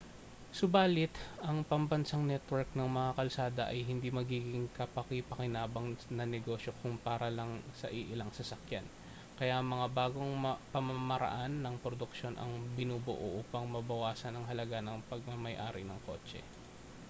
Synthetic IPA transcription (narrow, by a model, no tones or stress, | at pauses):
sʊbaːlɪt̪ʔɐŋpɐmbɐnsaŋnɛt̪wɛɹk̚nɐŋmɐŋakɐlsaːd̪ɐʔɐjɦɪnd̪iːmɐɡiːɡɪŋkɐpɐkɪpɐkɪnaːbɐŋnɐnɛɡo̞ːʃjo̞kʊŋpaːɾɐlɐŋsɐʔiʔɪlɐŋsɐsɐkjan | kɐjamɐŋabaːɡo̞ŋpɐmɐmɐɾɐ̰ʔanːɐŋpɾod̪ʊkʃo̞nʔɐ̰ŋbɪnuːbʊʔo̰ʔuːpɐŋmɐbɐwaːsɐnɐŋɦɐlɐɡanɐŋpɐɡ̚mɐmɐjʔaːɾɪnɐŋko̞̰ːt͡ʃɛ̰